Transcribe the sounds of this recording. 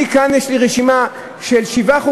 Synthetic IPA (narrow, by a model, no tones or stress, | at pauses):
ikanjeʃliʁeʃima | ʃelʃivaχu